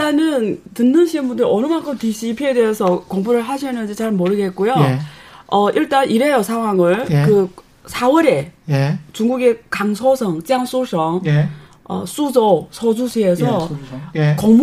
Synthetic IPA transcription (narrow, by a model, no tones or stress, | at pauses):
t͈anɯntɯnːɯnɕʰimbundɯɾʌnɯmaŋkʰɯmtiɕʰipʰiedeesʰʌkoŋbuɾɯɭɦaɕʰinːɯnd͡ʑit͡ɕaɭmʌɾɯɡe̞t̚k͈ujoʌʔiɭt͈anʔiɾejosʰaŋɦwaŋɯɭkɯ | sʰawʌɾe̞ | t͡ɕuŋɡuɡe̞kaŋsʰosʰʌŋt͡ɕaŋs͈oɭs͈ʰʌŋ | ʌ̰s͈ud͡ʑosʰʌd͡ʑusʰiesʰʌ | koŋm